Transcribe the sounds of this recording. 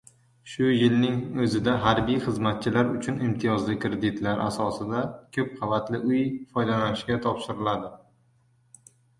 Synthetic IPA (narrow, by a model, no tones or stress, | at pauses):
ʃʊjɪlnɪŋɵzɪd̪aɦaɾbijχɨzmat̪̚t͡ʃʰɪlaɾʊt͡ʃʰʊnɪmt̪ʰɪjɒzlɪkɾed̪ɪt̪laɾʔa̰sɒsɪd̪akʲʰɵp̚qʰɑvat̪lɪʔʊjfɒjd̪alanɪʃkʲat̪ʰɒpʃɪɾɪlad̪ɪ